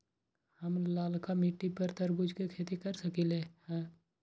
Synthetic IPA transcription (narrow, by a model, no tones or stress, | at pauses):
həmlaːlkamiʈːipəɾt̪əɾbʊd͡ʒʱkekʰeːt̪ikəɾsəkilehɛ̃ː